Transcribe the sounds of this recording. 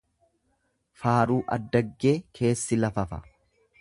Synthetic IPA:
faːɾuːʔɐ̰d̪ːɐɡːe̞ːkʰe̞ːsːɪlɐfɐfɐ

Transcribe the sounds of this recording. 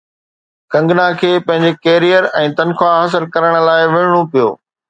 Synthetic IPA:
kɐ̃ŋɡnakʰeːpɐ̃ɦɪ̃ɲd͡ʑekeːɾijəɾɛ̃ːt̪ɐnxʰwaɦɐs̬ɪlkɐɾəɽ̃laːɪʋeːɽ̃opijo̰ː

